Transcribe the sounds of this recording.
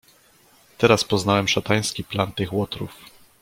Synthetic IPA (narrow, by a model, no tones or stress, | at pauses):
t̪ɛɾaspɔznawɛmʂat̪aj̃skʲiplant̪ɘxwɔt̪ɾṵf